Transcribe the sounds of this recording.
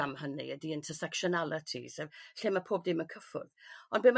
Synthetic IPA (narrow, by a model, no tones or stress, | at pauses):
amɦənḭədiɪntʰəsɛkʃɔnalˠətʰḭsəɬeːmapʰoːb̚dɪmənkʰəfʊ̰ðɔnbɪm